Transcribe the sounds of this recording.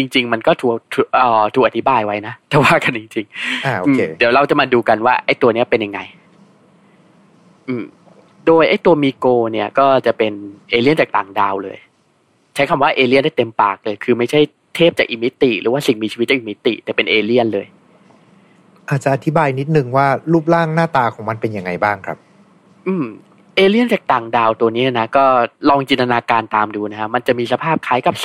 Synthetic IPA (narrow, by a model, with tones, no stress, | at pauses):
t͡ɕi˧ŋt͡ɕi˧ŋma˧nkɔː˥˩t̪ʰuː˨˩k̚t̪ʰu˨˩ʔɔː˨˩t̪ʰuː˨˩k̚ʔa˨t̪ʰi˦baː˧jwa˦˥jna˦˥ʔt̪ʰɛː˨˩waː˥˩ka˧nt͡ɕi˧ŋt͡ɕi˧ŋa˧ʔo˧ʔɯː˧di˩˦wɾa˧wt͡ɕa˨˩maː˧duː˧ka˧nwaː˥˩ʔa˥˩jt̪u˧ɐni˦˥ɐ˩pe˧nja˨ŋːa̰˧j | ʔɯː˧˩m | doː˧jʔa˥˩jt̪u˧ɐmiː˧koː˧ni˥˩ɐkɔː˥˩t͡ɕa˨˩pe˧nʔeː˧li˥˩ənt͡ɕaː˨˩k̚t̪aː˨˩˦ŋdaː˧wlɤː˧j | t͡ɕʰa˦˥jkʰa˧mwaː˥˩ʔeː˧li˥˩nda˥˩t̪e˧mpaː˨˩k̚lɤː˧jkʰɯː˧ma˥˩t͡ɕʰa˥˩j | t̪ʰeː˥˩p̚t͡ɕaː˨˩k̚ʔi˧˩mi˦˥t̪ːi˨˩ɾɯː˩˦waː˥˩si˨˩ŋmiː˧t͡ɕʰiː˧˦t̪̚t͡ɕːa˨ʔi˨˩mi˦˥t̪ːḭ˨˩t̪ɛː˨˩pe˧nʔeː˧li˥˩ənlɤː˧j | ʔaː˨˩t̪̚t͡ɕa˨ʔa˧t̪ʰi˦˥baː˧jni˦˥t̪̚nɯ˨˩ŋwaː˥˩ɾuː˥˩p̬̚laː˥˩ŋnaː˥˩t̪aː˧kʰɔː˩˦ma˧npe˧nja˧ŋːa˧jbaː˥˩ŋkʰɾa˦˥p̚ | ʔɯː˧m | ʔeː˧li˥˩ənt͡ɕaː˨˩k̚t̪aː˨˩ŋdaː˧wt̪u˧əni˦˥˧na˦˥kɔː˥˩lɔː˧ŋt͡ɕiː˧nt̪a˧naː˧kaː˧nt̪aː˧mduː˧na˦˥kʰa˦˥ma˧nt͡ɕa˨˩ʔmiː˧sa˧pʰaː˥˩p̚kʰaː˦˥jka˨˩p̚